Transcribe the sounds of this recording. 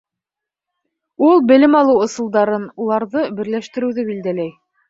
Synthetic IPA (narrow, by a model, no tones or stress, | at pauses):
ulˠbɘ̆lɘmɑlˠɤwŏsɤ̆lˠd̪ɑɾɤnulˠɑɾðɤbɘ̆ɾlæʃt̪ɘ̆ɾɘ̆wðɘbild̪ælæj